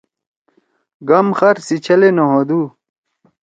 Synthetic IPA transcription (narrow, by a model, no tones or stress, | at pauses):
ɡɐmxɐɾsit͡ɕʰɐlenoɦod̪uː